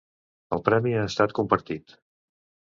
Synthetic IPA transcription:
əlˠpɾɛmiaəst̪at̪̚kumpəɾt̪it̪

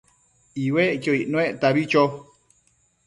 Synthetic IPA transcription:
iweʔkoiʔnõẽʔt̪aβit͡ʃo

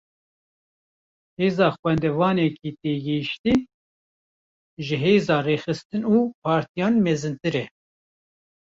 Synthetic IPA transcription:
heːzɑːxwɛnd̪ɛvɑːnɛkiːt̪eːɡɛʃt̪iː | ʒɨɦeːzɑːreːxɨst̪ɨnuːpʰɑːɾt̪ijɑːnmɛzɨnt̪ɨɾɛ

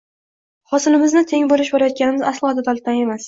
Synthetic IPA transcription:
hɒsɪlɪmɪznɪt̪ʰe̞ŋboɾɪʃbɒɾajɒt̪̚kʲanɪmɪzaslˠɒd̪ad̪ɒlˠɪt̪ʰane̞mas

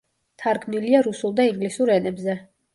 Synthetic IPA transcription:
t̪ʰaɾɡʰmniliaɾusulˠd̪aiŋɡlisuɾɛnɛbzɛ

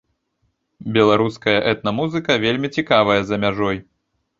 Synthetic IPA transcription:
bʲɛlˠaɾuskɐjɐʔɛt̪̚nɐmuzɨkɐvʲelʲmʲit͡sʲikavɐjɐzɐmʲaʐɔj

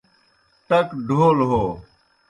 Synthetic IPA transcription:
t̪ɐkɖʱoːlɦoː

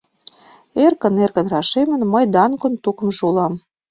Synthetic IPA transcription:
erkə̆nerkə̆nrɑʃemə̆nməjd̪ɑnkont̪ukə̆mʒulɑm

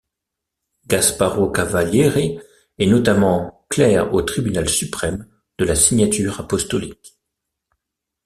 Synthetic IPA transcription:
ɡaspaʁokavaljeʁe | ɛnɔt̪amɑ̃klɛʁot̪χibynalsypχɛm | d̪̥əlasiɲat̪yʁapɔst̪ɔlik

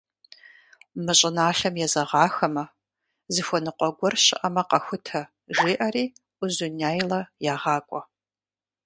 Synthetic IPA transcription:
mɨɕʼɪnaːɬɐmjɛzɐʁɑːxɐmɐ | zɨxʷɔnɨqʷʼɔɡʷɔrʃɪ̰ʔɐmɐqɐxʷʊtʰɐ | ʒiːʔɐriː | ʔʷʊzʊnaːjlɐjaːʁɑːkʷʼɔ

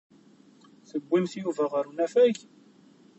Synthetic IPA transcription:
θəɡʷːinθjuvæʁəɾunæfæʝ

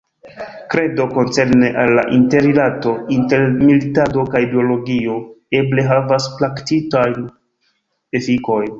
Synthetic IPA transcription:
kɾe̞do̞ko̞nt͡se̞ɾne̞ʔalːa̰ʔinte̞ɾilato̞inte̞ɾmilitado̞kajdeo̞lo̞ɡio̞e̞ble̞ɦavasplaktitajn | efiko̞jn

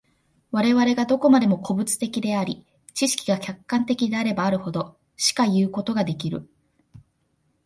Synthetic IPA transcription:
βaɾe̞βaɾe̞ɡad̪o̞ko̞mad̪e̞mo̞kʰo̞bɯ̟t͡sɨ̥t̪e̞kʲid̪e̞aɾʲi | t͡ɕiɕi̥kʲiɡakʲakːãnt̪e̞kʲid̪e̞aɾe̞baːɾɯ̟ho̞d̪o̞ | ɕi̥kajɯ̟ːko̞t̪o̞ɡad̪e̞k̬ʲiɾɯ̟̰

